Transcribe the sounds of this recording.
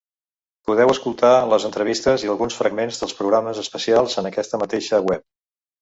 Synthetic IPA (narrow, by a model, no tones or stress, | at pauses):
puðɛwəskulˠt̪aləzənt̪ɾəβ̞ist̪əziəlˠɣunsfɾə̰ɡmenzðəlˠspɾuɣɾaməzəspəsialˠzənəkɛst̪əmət̪eʃəwɛp̚